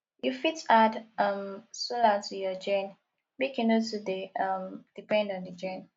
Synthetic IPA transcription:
jufitadʌmsulatʰujɔd͡ʒɛ̃n | bikɛ̃notudeʌmd̥ipɛ̃ndɔ̃ndəd͡ʒɛ̃n

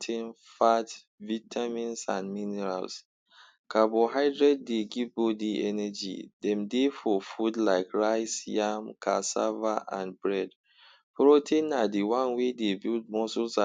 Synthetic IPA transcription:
tʰẽn | fat | vitʰamĩnsã̰nminɛɹa̰ls | kʰabɔɦaɪdɹɛd̚ːeɡivbodiʔɛnɛd͡ʒḭdɛ̃mdefɔfudlaɪkɹaɪsjãmkʰa̰sa̰vaʔã̰nbɹɛd | pɹotʰẽnadiwãnwedebild̚mɔsulsã

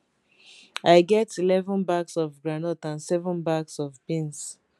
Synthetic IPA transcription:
aɪɡɛtʰilɛvɔ̃nbaɡsɔvɡɹanɔtãnsɛvɔ̃nbaɡsɔvbĩns

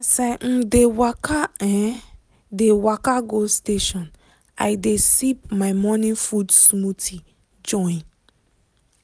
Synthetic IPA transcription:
sɛm̩dewakaɛ | dewakaɡosteʃɔ̃n | ajdesip̚maɪmɔnĩfudsmutʰi | d͡ʒɔ̃ĩn

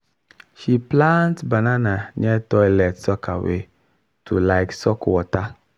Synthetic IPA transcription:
ʃiplãntbanananɛtɔjlɛtsɔkʰawḛ | tʰulaɪksɔkwɔta

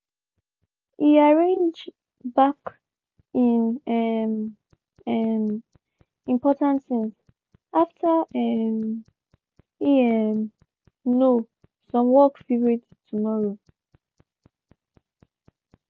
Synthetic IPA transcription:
iaɹẽnd͡ʒ | bak | ĩnɛm | ɛm | ĩmpɔtãntθĩms | ʔaftʰaɛm | iɛm | no | sɔ̃mwɔkfivɹid | tʰumɔɹo

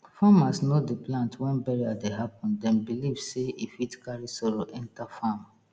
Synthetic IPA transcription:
famasnodiplãntʰwɛ̃nbɛɹiadeɦapɔ̃ndɛ̃nbilivseifitkaɹisɔɹoʔɛ̃ntafam

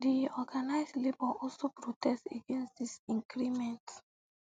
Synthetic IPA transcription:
diɔɡanaɪslebɔʔɔlsopɹotʰɛsteɡẽnsdisĩŋɡɹimɛ̃nt

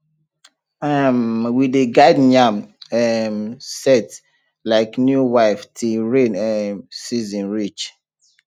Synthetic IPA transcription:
amwideɡadnãmɛmsɛt | laɪknjuwaɪftʰiɹẽnɛsizɔ̃nɹit͡ʃ

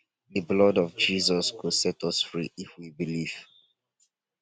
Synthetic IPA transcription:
ðəblɔdɔvd͡ʒizɔskudsɛtʰɔsfɹiifwibiliv̥

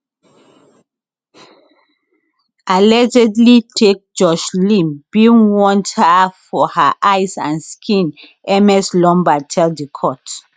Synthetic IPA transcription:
ʔalɛd͡ʒɛdlitʰek̚d͡ʒɔʃlĩmb̥inwɔ̃nthafɔhaʔaɪsã̰nskʰĩn | ɛmɛslɔ̃mbatʰɛldikʰɔt

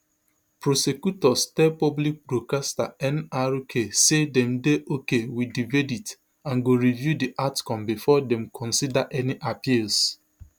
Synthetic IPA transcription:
pɾosekjutɔstɛpɔblik̚bɾokasta̰ɛ̃naɾukʰesedɛmdeʔokewidivedit | ãnɡoɾivjudiʔatkɔ̃mbifɔdɛmkʰɔ̃nsidaʔɛniʔapils

